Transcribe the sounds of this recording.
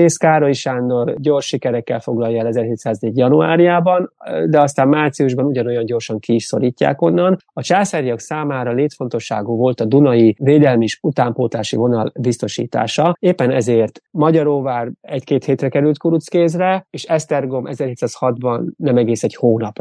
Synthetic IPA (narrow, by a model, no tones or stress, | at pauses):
eːskaːɾo̞jiʃaːnd̪o̞rɟo̞rʃːikɛɾɛkːɛlfo̞ɡlɒjːɛlɛzɛrheːt̪saːzneːɟjɒnua̰ːɾijaːbɒnd̪ɛɒst̪aːmmaːrt̪sijuʒbɒnuɟɒno̞jɒɲɟo̞rʃɒŋkiːʃso̞ɾiːcːa̰ːko̞nːɒnɒt͡ʃaːsɛɾjɒksaːmaːɾɒleːt̪fo̞nt̪o̞ʃːa̰ːɡuːvo̞lt̪ɒd̪unɒjiveːd̪ɛlmieʃut̪aːmpoːt̪laːʃḭvo̞nɒlbist̪o̞ʃḭːt̪a̰ːʃɒeːpːɛnɛzeːrt̪mɒɟɒɾoːvaːrɛckeːt̪heːt̪rɛkɛɾylt̪kuɾut̪skeːzrɛeːʃɛst̪ɛrɡo̞mʔɛzɛrheːt̪saːshɒd̪bɒnːɛmɛɡeːsɛɟhoːnɒp